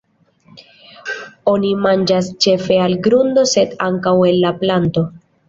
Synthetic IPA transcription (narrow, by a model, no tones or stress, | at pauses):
o̞nimand͡ʒast͡ʃe̞fe̞alɡɾund̪o̞se̞daŋkawe̞lːaplanto̞